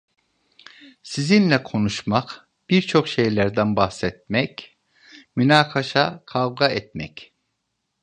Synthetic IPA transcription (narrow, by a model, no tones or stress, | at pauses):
sizinlʲɛkʰo̞nuʃmaq | b̥iɾt͡ʃʰo̞kʃejlʲæɾd̪ænbaxsɛt̪̚mɛc | mynaːkʰaʃakʰavɡaɛt̪̚mɛc